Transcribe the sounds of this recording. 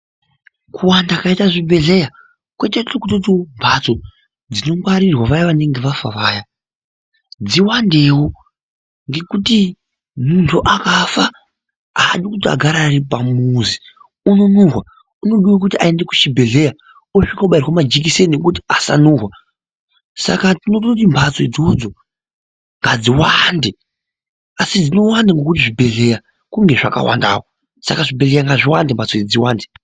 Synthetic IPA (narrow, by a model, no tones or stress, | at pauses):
kʰuwandakaitaʐibʱe̞ɮe̞ja | kwe̞teokutot̬imbʱat͡so̞ | d͡zino̞ŋɡwaɾirwaʋajaʋane̞ŋɡe̞ʋafa̰ʋaːja | d͡ziwande̞wo | ŋɡe̞kuti | muntʰuʔakafa | aːɗikutia̰ɡʱaɾaɾipamuzi | unonurwa | uno̞ɗiwak̬utiae̞ndeku̥t͡ʃibʱe̞ɮe̞ja | oʂikɡauɓairwamad͡ʒik̬isenek̬utiasa̰nuːrwa | sa̰katinot̬out̬imbʰʱat͡soid͡zod͡zo̞ | ŋɡad͡ziwande | asid͡zino̞wandaŋɡo̞kutiʐibʱe̞ɮe̞ja | kuŋɡe̞ʐaka̰wa̰nda̰ːwo | sa̰kaʐibe̞ɮe̞jaŋɡaʐiwandembʱat͡soid͡ziwaːnde